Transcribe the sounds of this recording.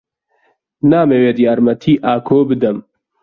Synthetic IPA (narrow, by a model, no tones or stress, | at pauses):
naːmeːweːd̪jaːɾmɐt̪ʰiːʔaːkʰoːbɨd̪ɐm